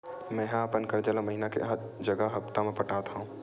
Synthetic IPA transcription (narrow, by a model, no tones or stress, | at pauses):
mɛ̃ːɦapənkəɾd͡ʒəlaməɦinakḛɦɐɾ | d͡ʒɐɡəɦɐpt̪amẽpəʈaːt̪ɦaũ